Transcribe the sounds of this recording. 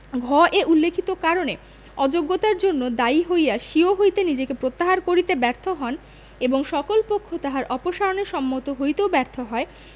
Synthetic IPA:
ɡʱɔʔeʔulːekʰit̪okaɾone | ɔd͡ʑoɡːot̪aɾd͡ʑonːod̪aiɦojjaʃioɦojt̪enid͡ʑekepɾot̪ːaɦaɾkoɾit̪ebɛɾt̪ʰoɦɔn | eboŋʃɔkolpokʰːot̪aɦaɾʔɔpoʃaɾoneɾʃɔmːot̪oɦojt̪eobɛɾt̪ʰoɦɔe

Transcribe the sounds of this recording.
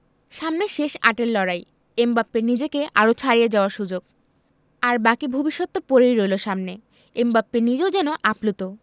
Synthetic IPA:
ʃamneʃeʃa̰ʈelːɔɾaj | embapːenid͡ʑekeʔaɾot͡ɕʰaɾijed͡ʑaoaɾʃud͡ʑoɡ | aɾbakibʱubiʃːot̪ːopoɾejɾojloʃamne | embapːenid͡ʑeod͡ʑɛnoʔaplut̪o

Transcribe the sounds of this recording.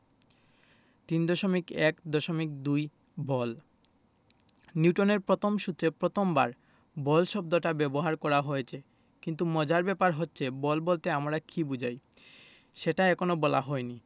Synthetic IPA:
t̪ind̪ɔʃomikɛkd̪ɔʃomik̚d̪uj | bɔl | niwʈoneɾpɾot̪ʰomʃut̪ːɾepɾot̪ʰomba̰ɾ | bɔlʃɔb̚d̪oʈabɛboɦaɾkɔɾaɦojet͡ɕʰe | kint̪umɔd͡ʑaɾbɛpaɾɦotːɕʰebɔlbɔlt̪eamɾakibud͡ʑʱaj | ʃeʈaekonobɔla̰ɦɔeni

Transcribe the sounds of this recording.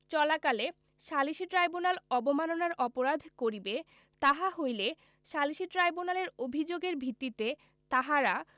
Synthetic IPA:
t͡ɕɔlakale | ʃaliʃiʈɾajbunalɔbomanonaɾɔpoɾad̪ʱkoɾibe | t̪aɦaɦojle | ʃaliʃiʈɾajbunaleɾobʱid͡ʑoɡeɾbʱit̪ːit̪e | t̪aɦaɾa

